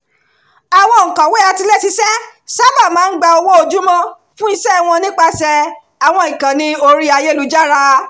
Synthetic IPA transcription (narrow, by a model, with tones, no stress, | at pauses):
a˨w̃ɔ̃˧˨ŋ̩˨kã˨we˦a˧ti˧lɛ˦˨si˧sɛ˦sa˦ba˦˨mãː˨˦n̩˦ɡ͡ba˧o˧wo˦o˧d͡ʒu˦mɔ̃˦ | fũ˦i˧ʃɛ˦˧w̃ɔ̃˧nĩ˦k͡pa˧sɛ˧ | a˨w̃ɔ̃˧ĩ˨kã˨nĩ˧o˧ɾi˦a˧je˦lu˧d͡ʒa˦ɾa˧